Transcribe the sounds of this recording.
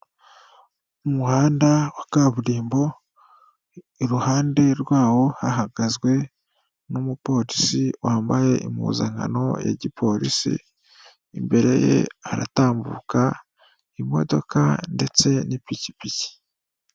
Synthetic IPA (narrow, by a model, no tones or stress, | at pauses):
umuhaːndawakaːβuɾiːmbo̞ | iɾuhaːnde̞ɾwaːwo̞haɦaɡazɡwe̞ | numupo̞ɾisiwʔaːmbaje̞ʔḭmṵːzaŋa̰no̞̰ja̰ɟipʰo̞ɾisḭ | imbe̞ɾe̞̰je̞̰aɾa̰taːmbṵːka | imo̞̰do̞kande̞t͡se̞nipici̥pici̥